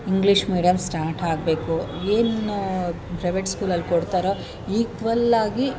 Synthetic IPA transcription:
iŋɡliʂmiːɖijɐmsʈaːɾʈaːɡbe̞ːkueːn | pɾɐjʋeʈskuːlɐlːkoɽt̪aːɾɐ | iːɡʋɐlːaːɡi

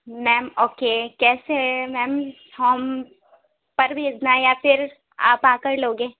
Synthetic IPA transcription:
mɛːmoːkekɛːsemɛːm | hoːm | pɐɾbʱeːd͡ʒnajafʰɪɾ | a̰ːpãːkəɾloːɡẽː

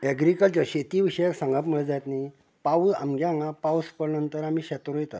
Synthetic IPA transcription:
ɛɡɾikəlt͡ɕjaɕet̪iːʋiɕəjaksãŋɡapməɭət̪d͡zajt̪ni | paua̰mɡjaŋɡapauspəɽnənt̪əɾamiːɕɛt̪oɾojt̪a̰

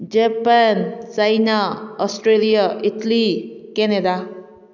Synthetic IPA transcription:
d͡ʒepant͡ʃajnaɔsʈɾelijaʔit̪likened̪a

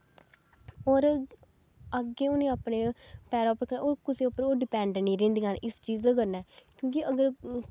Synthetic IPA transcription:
oːɾ | əɡeːʊneːaːpneːpɛːɾɔːpəɾkəɾnːoːɾkʊseːopːəɾoːɖɪpɛ̃ːɳɖniːɾẽːnd̪iːɦənʔɪst͡ʃiːzkəɾnɛːkjõːk̬iʔəɡəɾ

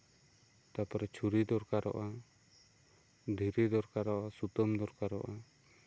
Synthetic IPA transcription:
t̪apaɾɛt͡ʃʰuɾid̪ɔɾkaɾɔ̰ʔa | d̪ʱiɾid̪ɔɾkaɾɔʔasut̪ɔmd̪ɔɾkaɾɔ̰ʔa

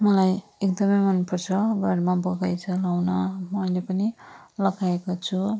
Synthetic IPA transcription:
mʌlajekd̪ʌmʌjmʌnpʌrt͡sʰʌɡaɽmabʌɡajt͡sʰʌlawnʌmʌjlepʌnilʌɡaekot͡sʰu

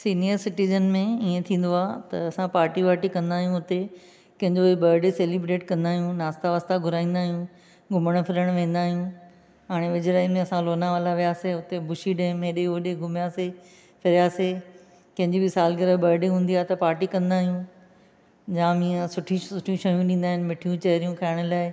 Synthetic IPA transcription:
siːnijəɾsɪʈiːzənmẽiẽt̪ʰĩːn̆d̪oaːt̪ɐ̰ɐsãpaːɾʈiʋaːɾʈikɐ̃nd̪aːɦjũʊt̪e | kɐ̃ɦɪ̃ɲd͡ʑoibɐɾɖeseːlibɾeːʈkɐ̃nd̪aːɦijũnaːst̪aʋaːst̪aɡʱʊɾaːĩːn̆d̪aːɦijũ | ɡʱʊməɽ̃pʰɪɾəɽ̃ʋẽːn̆d̪aːɦijũ | ɦaːɽ̃eʋɪd͡ʑɾaːimẽɐsãloːnaʋaːlaʋijaːseʊt̪ebʱʊʃiɗẽːɪmːẽɗeoːɗeɡʱʊmjaːse | pʰɪɾjaːse | kɐ̃ɦɪ̃ɲd͡ʑibɪsaːlɡɐɾəbɐːɾɖiɦũːnd̪iaːɦet̪ɐpaːɾʈikɐ̃nd̪aːɦijũ | d͡ʑãːmĩɐsʊʈʰisʊʈʰijũʃɐjũɗĩːnd̪aːɦɪnɪ̆mɪʈʰijũt͡ɕɐɦɪɾijũkʰaːɪɽ̃ʊlaːɪ

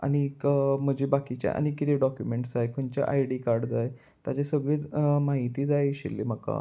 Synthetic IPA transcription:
a̰ñikm̤əd͡ʑibakit͡ɕja̰ʔa̰ñikit̪eɖɔkjumeɳʈd͡zajkoɳt͡ɕja̰ʔajɽikaɾɽd͡zaj | t̪jat͡ɕesəɡɭet͡smaɦit̪iːd͡zajɕḭlːem̤əka̰

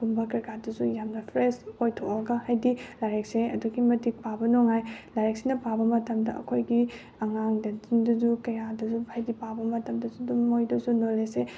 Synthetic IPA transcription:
kumbɐkɐɾkadɐsujamnɐpʰɾesojtʰoʔɐɡɐhajdilaɾekseɐduɡimɐtik̚pabɐnoŋajlaɾeksinɐpabɐmɐtɐmdɐ̰ɐ̰kʰojɡi | ɐŋaŋdɐindɐzukɐjadɐzuhajdipabɐmɐtɐmdɐsudumojdɐsunolese

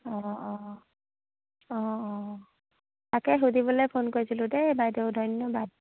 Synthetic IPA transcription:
ɔ̃ | ɔ̃ | takɛɦudibɔlɔjpʰonkoɹisilʊ̃dɛbajdɔʊdʱɔjnːɔbad̚

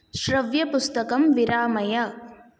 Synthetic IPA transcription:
ʃɾɐʋjɐpust̪ɐkɐmʋiɾaːmɐjɐ

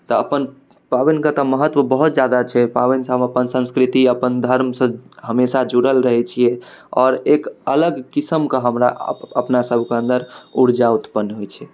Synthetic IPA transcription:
t̪ɔəpən | pabinkət̪əməɦət̪ʋəbəɦut̪̚d͡ʒjad̪at͡ʃʰɛpabinsəɦəbəpənsə̃nskɾit̪iəpənd̪ʱəɾmsə̃ɦəmesad͡ʒuɽəlɾəɦɛt͡ʃʰijɛɔːɾekələɡkisəmkəɦəmɾaəpnasəbʱkeə̃nd̪əɾuɾd͡ʒaut̪pənːɦojt͡ʃʰɛ

